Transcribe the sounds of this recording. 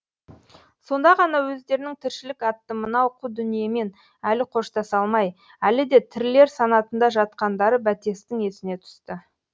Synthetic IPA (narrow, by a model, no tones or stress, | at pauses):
so̞nd̪ɑʁɑnɑwɵzd̪e̞ɾɪnɪŋt̪ʰɪɾʃɪlɪkɑt̪ːəmənɑoqud̪ʏnije̞me̞n | ælɪqʰo̞ʃt̪ɑsɑlˠmɑj | ælɪd̪e̞t̪ʰɪɾle̞ɾsɑnɑt̪ənd̪ɑʒɑt̪̚qɑnd̪ɑɾəbæt̪e̞st̪ɪŋe̞sɪne̞t̪ʰʏ̥st̪ə